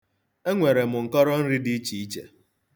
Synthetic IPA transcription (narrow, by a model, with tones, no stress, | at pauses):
e˦ŋʷe˨ɾe˨mʊ˨ŋ̩˨kɔ˦ɾɔ˦n̩˦ɾɪ˦di˦i˦t͡ʃi˨i˦t͡ʃḛ˨